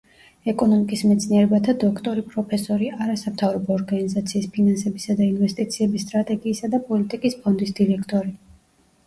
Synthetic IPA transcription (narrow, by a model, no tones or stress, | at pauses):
ɛkʼɔnɔmikʼismɛt̪sʰniɛɾɛbat̪ʰad̪ɔkʰt̪ʼɔɾipʼɾɔpʰɛsɔɾiʔaɾasamt̪ʰavɾɔbɔːɾɡanizat̪sʰiːspʰinansɛbisad̪ainvɛst̪ʼit̪sʰiɛbisːt̪ʼɾat̪ʼɛɡiːsad̪apʼɔlit̪ʼikʼispʰɔnd̪isd̪iɾɛkʰt̪ʼɔɾi